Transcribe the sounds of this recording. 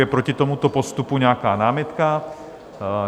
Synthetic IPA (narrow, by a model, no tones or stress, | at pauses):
ɛpɾocɪt̪o̞mut̪opo̞st̪upuɲɛakaːnaːmɪt̪ka